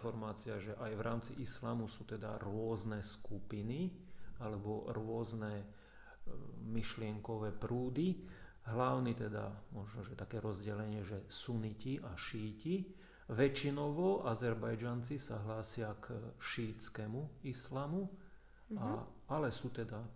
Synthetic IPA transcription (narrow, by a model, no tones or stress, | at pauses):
fɔɾmaːt͡siaʒɛʔajʋɾaːmt͡siʔislaːmusuːt̪ɛd̪a̰ɾʊɔznɛskupinialɛbɔɾʊɔznɛ | miʃlɪɛŋkɔʋɛːpɾuːd̪i | ɦlaʊnit̪ɛd̪a̰mɔʒnɔʒɛt̪akɛːɾɔzɟɛlɛɲɪɛʒɛsuniciʔaʃiːci | ʋɛt͡ʃinɔʋɔʔazɛɾbajd͡ʒant͡sisaɦlaːsɪakʃiːt͡skɛmuislamu | a | alɛsuːt̪ɛd̪a